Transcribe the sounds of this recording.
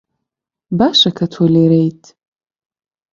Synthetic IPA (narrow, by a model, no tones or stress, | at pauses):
baʂakʰatʰoleɾejtʼ